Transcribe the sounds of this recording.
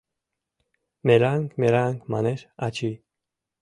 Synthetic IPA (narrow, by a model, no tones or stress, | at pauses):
mɛɾaŋkʰmɛɾaŋkʰmɑnɛɾat͡ʃʰi